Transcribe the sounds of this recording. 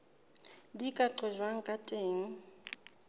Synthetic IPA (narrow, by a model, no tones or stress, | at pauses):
dikʼaǃʰɔʒwaŋ̩kʼatʼeːŋ̩